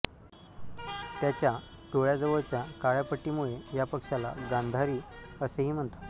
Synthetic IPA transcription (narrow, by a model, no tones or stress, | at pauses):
t̪jat͡ɕja | ɖoɭjad͡zəʋəɭt͡ɕjakaɭjapəʈːiːmuɭejapəkʂalaɡand̪ʱaɾiːəseɦiːm̤əɳt̪ḁt̪